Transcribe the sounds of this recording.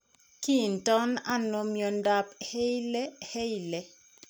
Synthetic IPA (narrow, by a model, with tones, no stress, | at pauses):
ki˦˨ntɔ˦na˦nɔ˨mjɔ˨nda˦phe˦jlɛ˦he˦ilɛ˨